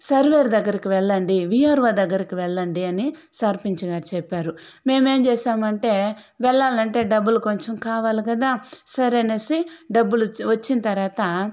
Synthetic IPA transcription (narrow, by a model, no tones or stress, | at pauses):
sɐɾʋe̞ːɾd̪ɐɡːɐɾikiʋɛɭːɐɳɖiʋiɦaːɾʋaːd̪ɐɡːɐɾikiʋɛɭːɐɳɖiɐnisaɾpiɲt͡ʃɐɡaːʈt͡ʃɛpːaːɾu | me̞ːme̞ːmt͡ʃɛːʃaːmɐɳʈe̞ː | ʋɛɭːaːlɐɳʈe̞ːɖɐbːuluko̞ɲt͡ʃɐmkaːʋaːlikɐd̪aːsɐɾenesiɖɐbːuluʋɐt͡ʃːinɐt̪ɐɾʋaːt̪ɐ